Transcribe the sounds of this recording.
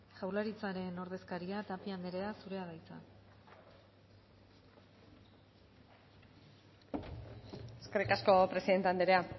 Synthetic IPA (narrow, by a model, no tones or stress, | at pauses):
ʝawlaɾit͡saɾe̞no̞ɾðe̞skaɾiat̪apiand̪eɾe̞asuɾe̞að̞ajt͡sa̰ | eskerikasko̞pɾe̞siðe̞nt̪eand̪eɾe̞a